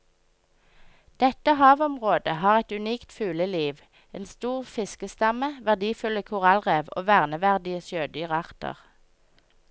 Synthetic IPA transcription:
d̪̥ɛt̪əhɑːʋɔmʁoːd̪əhɑːʁɛt̪ʉniːkt̪fʉːləliːʋ | ʔḛːnst̪uːʁfɪskəst̪ɑməʋæʁd̪iːfʉləkʰʊʁɑlʁeːʋo̰ːʋæːʁnəʋæʁd̪ɪəsjøːd̪yːʁɑʁt̪ə̰ʁ

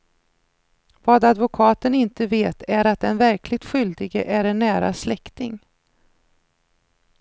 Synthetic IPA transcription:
vɑːd̪ad̪vʊkʰɑːt̪ənɪnt̪əveːt̪ʰæɾat̪̚d̪ɛnvæɾkʰlɪɡ̚t̪ɧʏld̪ɪɡə̰ʔæɾɛɳːæːɾa̰slɛkt̪ɪŋ

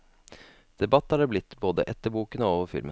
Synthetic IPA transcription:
d̪̥ɛbɑt̪ːhɑɖeːblɪt̪ːboːd̪əʔɛt̪ːəɾbuːkənəoːʋəɾfɪ̰lmʔə̰

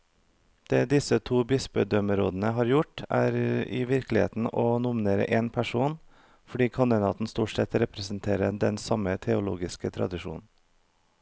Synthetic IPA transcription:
d̪̥eːd̪ɪsət̪ʰuːbɪsbœd̪œməɾoːd̪n̩əɦɑːɾjʊʈæːɾɪ̰ʋɪɾklɪhḛːt̪n̩ɔːnʊmɪneːɾə̰ʔeːnpʰæʂuːn | fɔɖiːkʰɑnd̪ɪnɑ̰ːt̪n̩st̪uːʈsɛt̪ɾɛpɾɛsn̩t̪ʰeːɾəd̪ɛnsɑmət̪ʰɛʊlṵːɡɪskət̪ʰɾɑ̰d̪ɪʃṵːnn̩

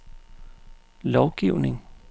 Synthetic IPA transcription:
lɒʊɡ̥iʊne̝ŋ

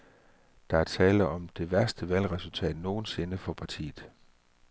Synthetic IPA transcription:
d̥ɑ̈æɐt͡sʰɛːləɒ̽md̥e̝ʋæɐsd̥əʋæl̰ʁɛsult͡sʰɛ̰ːd̥no̝ːn̩se̝nəfɒ̽pʰɑ̈t͡sʰḭːð̩ˠ

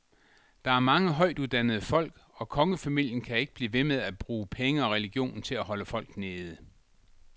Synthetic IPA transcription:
d̥ɑ̈æɐmɑ̈ŋəɦɒ̽ɪ̰d̥uðˠd̥ænəð̞̩ˠəfɒ̽l̰ɡ̥ɒ̽kʰɒ̽ŋəfæmil̰jənkʰæe̝ɡ̥əb̥liːʋe̝með̞ˠæb̥ʁuːpʰeŋəɒ̽ʁɛliɡ̥jo̝̰ːnn̩t͡sʰe̝læɦɒ̽ləfɒ̽l̰ɡ̥ne̝ːð̞ˠə

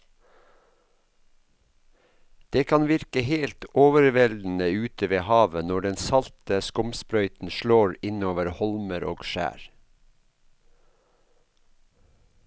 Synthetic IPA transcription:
d̪̥eːkʰɑnʋɪɾkəheːlt̪oːʋəɾʋɛld̪n̩əʉːt̪ʰəʋeːhɑːʋənɔɖɛnsɑlt̪əskʊmspɾœʏt̪n̩ʃɭoːɹɪnoːʋəɾhɔlməɾo̰ːɡʃæ̰ːɹ

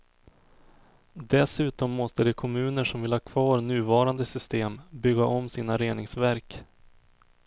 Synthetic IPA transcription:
d̪ɛsʉ̟ːt̪ɔmːɔst̪əd̪ɛkʰɔmʉ̟ːnəʂɔmvɪlhɑːkʰvɑːɾnʉ̟ːvɑːɾand̪əsʏst̪eːmbʏɡːaʔɔmsiːnaɾeːnɪŋsvæɾk

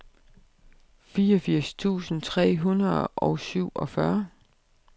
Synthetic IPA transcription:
fiːɒfiɐ̰st͡sʰṵːsn̩t͡sʰʁɛ̰ːɦunɐðˠʔɒʊsyʊ̰ɒ̽fɶɐ

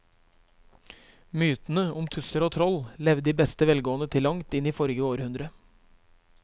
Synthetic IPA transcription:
myːt̪n̩əʊmt̪ʰʉsəɾoːt̪ʰɾɔllɛʋd̪iːbɛst̪əʋɛlɡoːənət̪ʰɪlːɑŋt̪ɪniːfɔɾɡəoːɾʉnd̪ɾə

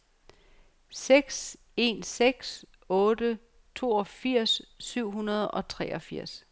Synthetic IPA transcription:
seɡ̥s | e̝nseɡ̥s | ɔ̽ːd̥ə | t͡sʰo̝̰ːɒ̽fiɐ̰sːyʊ̰ɦunɐð̞ˠɒ̽t͡sʰʁɛːʔɒ̽fiɐ̰s

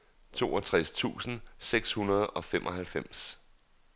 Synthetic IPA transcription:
t͡sʰo̝ːɒt͡sʰʁast͡sʰṵːsn̩seɡ̥shunɐð̞̩ˠɒ̽femʔɒ̽ɦælfem̰s

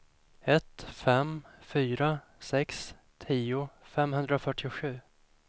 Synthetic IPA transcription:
ɛt̪fɛmfyːɾa | sɛks | t̪ʰiːʊfɛmɦɵnd̪ɾafœʈːɪʊɧʉ̟ː

